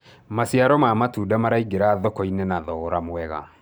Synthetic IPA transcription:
masiaɾɔmaːmatuːdamaɾaiɡeɾaðɔkɔinenaðɔɔɾamwɛɣa̰

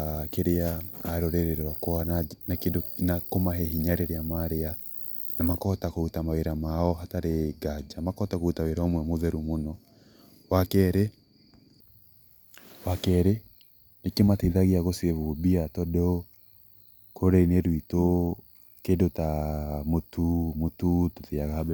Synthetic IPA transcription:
keɾeaːɾoɾeɾeɾakɔananakedonakomaɦeɦiɲaɾeɾeamaɾea | namakɔtakoutamaweɾamaɔɦataɾeɡad͡ʒamakɔtakoutaweɾaomwɛmoðɛɾumonɔ | wakɛɾɛ | wakɛɾɛ | nekemateðaɣiaɣosieβubiatɔdɔ | koɾɛineɾwito | kedotamotumotutuðiaɣahb

